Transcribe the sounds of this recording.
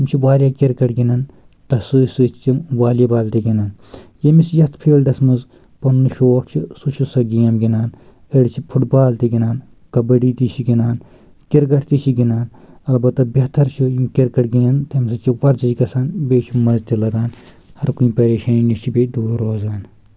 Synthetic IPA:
t̪ɐmt͡ʃʰiʋaːlʲjaːkʲiɾkɐʈɡinɐn | t̪ɐsɨːsɨt͡ʃt̪iʋaːlibaːlt̪iɡinaːnjɐmisjɐt̪ʰpʰeːlɖɐsmɐz | pɐnnɨʃoːkt͡ʃʰisut͡ʃʰisɐɡiːɐmɡinaːn | eɽt͡ʃʰipʰuʈbaːlt̪iɡʲinaːn | kɐbɐɖiːt̪it͡ʃʰiɡinaːn | kiɾɡɐʈʰt̪it͡ʃʰiɡinaːn | ɐlbɐt̪ːɐbʲɐt̪ɐɾt͡ʃʰikiɾkɐʈɡinɐnt̪emsɐt͡ʃʰiʋɐɾd͡ʒɐd͡ʒɡɐsaːnbeːt͡ʃʰimɐzt̪ilɐɡaːn | hɐɾkuĩːpɐɾeːʃɐninit͡ʃʰibed̪uːɾɾoːzaːn

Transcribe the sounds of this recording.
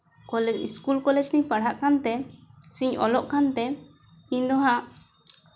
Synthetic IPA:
kɔlɛd͡ʒiskulkɔlɛd͡ʒnipaɽ̤ʱaʔkant̪ɛsiɲɔ̰lɔʔkant̪ɛ | iɲd̪ɔɦaʔ

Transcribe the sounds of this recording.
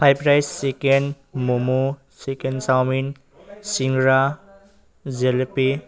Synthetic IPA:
pʰajpɾajsːeken | mumu | sekensawmin | siŋɡɾa | zelpi

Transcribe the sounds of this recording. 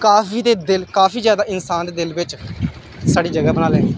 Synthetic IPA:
kaːfiːd̪eːd̪ɪlkaːfʰiːzjaːd̪aːʔɪnsaːnd̪eːd̪ɪlʋɪt͡ʃ | saːɖiːd͡ʒəɡaːbənaːlẽː

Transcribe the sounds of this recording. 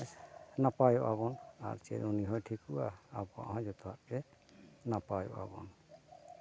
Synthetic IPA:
napajɔʔaβɔna̰ɾt͡ʃɛ̰duniɦɔjtʰikuaaba̰ʔɦɔ̃d͡ʒɔt̪ɔɦaʔpɛ | napajɔ̰ʔa̰bɔ̰n

